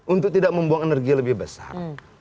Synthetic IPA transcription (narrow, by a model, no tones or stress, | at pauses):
unt̪ʊk̚t̪idak̚məmbuaŋenərɡialəbɪhbəsa̰r